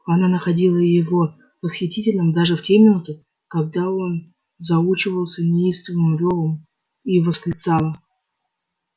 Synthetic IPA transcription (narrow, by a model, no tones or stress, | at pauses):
ɐnanəxɐdʲilˠəjɪvo̞ | vəsxʲɪtʲitʲɪlʲnɨmd̪aʐɨftʲemʲɪnut̪ɨ | kɐɡ̚d̪ao̞n | zɐut͡ɕɪvəlˠsʲənʲɪist̪vʲɪnɨmʊɾʲovəm | ivəskɾʲɪt̪salˠə